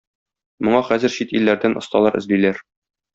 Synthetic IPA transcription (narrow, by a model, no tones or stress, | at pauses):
mŏɴɑχæzɘ̆ɾɕit̪ilːæɾd̪ænʔŏst̪ɑlˠɑɾɘ̆zlilæɾ